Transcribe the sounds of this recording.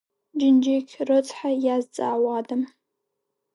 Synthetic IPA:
d͡ʒɪnd͡ʒekʲʰrɨt͡sʰʼħajazt͡sʼa̰ːwadam

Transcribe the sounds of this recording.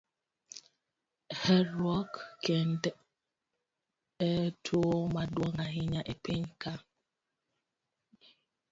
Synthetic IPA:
hɛɾɔkken̩dɛ | etʰomadwɔŋaɦiɲaʔepeŋ̩ka

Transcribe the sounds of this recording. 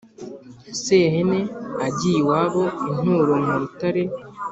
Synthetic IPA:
seɦene̞aɟiwaβo̞in̥uɾomuɾutaɾe̞

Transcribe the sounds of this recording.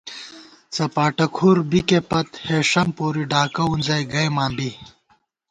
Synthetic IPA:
t͡sɐpaːʈɐkʰuːɾbikepɐt̪heːʂɐmpoːɾiɖaːkɐunzɐjɡɐjmaːmbi

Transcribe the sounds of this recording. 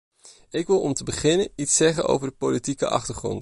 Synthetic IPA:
ɪkʋɪlˠɔmtəbəχɪnənitsɛχəno̰wvəɹdəpolitikəʔɑ̰χtəɹχrɔ̰nt

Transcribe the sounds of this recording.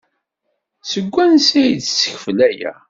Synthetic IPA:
səɡʷːænsæjt͡ssə̥çflæjæ̰

